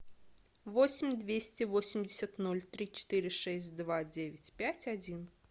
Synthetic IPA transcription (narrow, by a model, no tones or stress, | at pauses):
vɔsʲɪmʲd̪vʲesʲt͡sʲɛvɔsʲɪmʲd͡zʲɪsʲɐt̪nɔlʲt̪ɾʲit͡ʃɪ̥t̪ɨɾʲɨʂɛsʲtʲd̪vad͡zʲevʲɪt͡sʲpʲat͡sʲad͡zʲin